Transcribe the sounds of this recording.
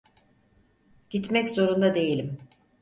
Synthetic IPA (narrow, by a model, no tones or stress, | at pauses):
ɟ̥it̪mɛczo̞ɾund̪ad̪e̞jilʲim